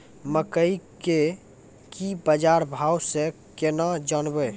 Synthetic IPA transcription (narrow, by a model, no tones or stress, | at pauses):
məkəike | kibəd͡ʒaɾbʱawse | kenad͡ʒənbə